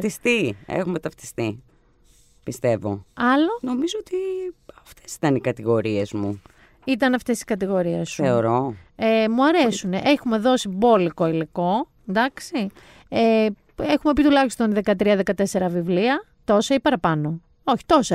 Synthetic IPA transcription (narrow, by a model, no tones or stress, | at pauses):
t̪ist̪iḛxumet̪ɐft̪i̥st̪i | pist̪e̞vo̞̰ɐlono̞mizoot̪iɐft̪e̥si̥t̪ɐnikɐt̪iɣo̞ɾie̞zmu | it̪ɐnɐft̪e̞si̥kɐt̪iɣo̞ɾiesθeoɾo̞emuɐɾe̞suneʔexume̞ðo̞sibo̞liko̞iliko̞ | end̪ɐksi | e | exume̞pit̪ulɐçi̥st̪o̞nðe̞kɐt̪ɾiɐðe̞kɐt̪e̞se̞ɾɐvivliɐ | t̪o̞sɐipɐɾɐpɐno̞ | o̞çi̥t̪o̞sɐ